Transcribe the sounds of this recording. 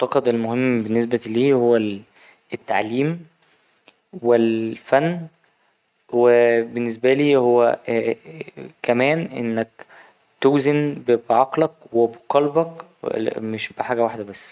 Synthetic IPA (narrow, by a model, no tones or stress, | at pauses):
t̪ɑqɑd̪elmohemːbenːes̬bæliːhowːæ | et̪ːaʕliːm | welfænː | webenːes̬bæliːhowːæ | kæmæːnʔḛnːæk | t̪owzenbebʕɑqlɑkwebqɑlbɑk | meʃbeħaːɡæwaħd̪æbæsː